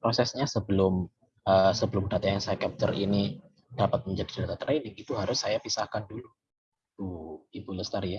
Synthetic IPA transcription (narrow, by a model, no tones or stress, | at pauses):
pɾosɛsɲasəbəlʊm | əːsəbəlʊmdat̪ajjaŋsajakɛp̚t̪ərini | d̥apat̪̚məɲd͡ʒadi̥dɾat̪at̪əɾainɪŋit̪uɦaɾʊsːajapisahkandulu | t̪uibuləst̪aɾija